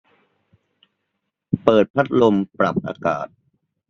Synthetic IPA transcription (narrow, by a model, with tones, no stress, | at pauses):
pɤː˨˩t̪̚pʰa˦˥t̪̚lo˧mpɾa˨˩p̚ʔa̰ː˧ka̰ː˨˩t̪̚